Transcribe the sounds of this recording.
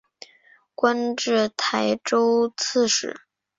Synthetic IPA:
kwa˥nʈ͡ʂɻ̩˥˩t̪ʰa˧˥ɪʈ͡ʂo˥ʊt͡s̩ʰ˥˧ʂɻ̩˧˩˦

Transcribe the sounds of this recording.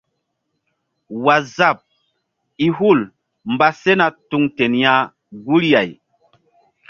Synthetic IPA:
wa˨za˦˨p̚ | i˨ɦu˦˨l | mba˦se˦na˨tu˨ŋte˨nja˦ | ɡu˦ɾja˨j

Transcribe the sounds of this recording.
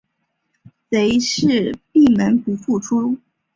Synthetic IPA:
se˧˥ɪʂɻ̩˥˧pi˥˩mə˧˥npu˧˥fu˥˩ʈ͡ʂʰu˥

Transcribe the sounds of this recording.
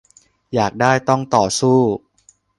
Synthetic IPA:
jaː˨˩k̚daː˥˩jt̪ɔ˥˩ŋt̪ɔː˨˩suː˥˩

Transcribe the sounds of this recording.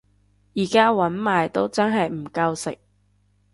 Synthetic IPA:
jiː˨˩kaː˥wɐ˨˥nmaː˨jt̪o˥wt͡sɐ˥nɦɐ˨jm̩˨˩kɐ˧wsɪ̰˨k̚

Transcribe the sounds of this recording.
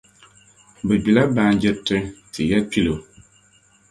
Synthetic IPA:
bɨ˨d͡ʒu˨la˦baː˨˦n˦d͡ʒɛ˦tɨ˦ɾtɨ˨ja˦pʲi˦lo˨

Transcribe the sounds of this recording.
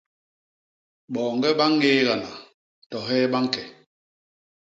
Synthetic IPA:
ɓɔː˨ŋɡɛ˦ɓa˦ŋːeː˦ɣa˨na˨ | tɔ˨ɦɛː˦ɓa˦ŋ˦kɛ˨

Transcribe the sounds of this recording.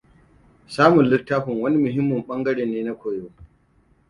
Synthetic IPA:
saː˦mʊ˨nlɪ˦tːaː˦ɸʊ˨ŋwɐ˦ni˦mʊ˨ɦɪ˦mːʊ˨mɓɐ˦ŋɡɐ˦ɽeː˨nːeː˦na˦kʷoː˨joː˦

